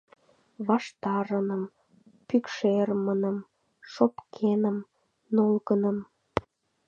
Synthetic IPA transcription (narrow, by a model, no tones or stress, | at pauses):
βɑʃt̪ɑɾənəm | pykʃermənəm | ʃopkʰenəm | nolɣənəm